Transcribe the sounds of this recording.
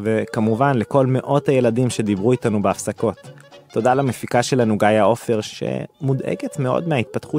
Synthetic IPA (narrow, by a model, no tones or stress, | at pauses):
ve̞kamuvanle̞ko̞lme̞ʔo̞thaje̞ladimʃe̞d̪ibʁuitanubeafsako̞tː | o̞dalamefikaʃe̞lanuɡajao̞feʁʃḛmud̪ḛɡetme̞o̞̰dmeait̪̚pat̪χu